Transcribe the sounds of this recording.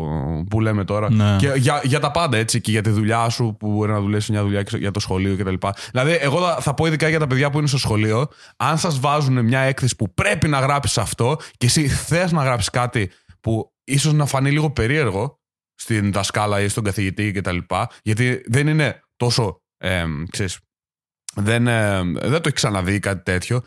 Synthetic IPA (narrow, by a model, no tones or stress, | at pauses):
pule̞me̞t̪o̞ɾɐneceʝɐʝɐt̪ɐpɐnd̪ɐe̞t͡siceʝɐt̪iðuʎɐsupubo̞ɾinɐðulipsimɲɐðuʎɐʝɐt̪o̞sxo̞lio̞cet̪ɐlipɐðilɐðie̞ɣo̞ɐθɐpo̞iðikɐʝɐt̪ɐpeðʝɐp̬uines̬t̪osxo̞lio̞ | ɐnsɐzvɐzune̞mɲɐe̞kθe̞si̥pupɾe̞pinɐɣɾɐpsi̥sɐft̪o̞cesiθe̞znɐɣɾɐpsi̥skɐt̪i | pu | iso̞znɐfɐniliɣo̞pe̞ɾie̞ɾɣo̞ | st̪inðɐskɐlɐist̪o̞ɡɐθiʝit̪icet̪ɐlipɐʝɐt̪iðe̞nine̞t̪o̞so̞ | emkseɾis | ðenðnt̪oeçiksɐnɐðikɐt̪i̥t̪e̞t̪ço̞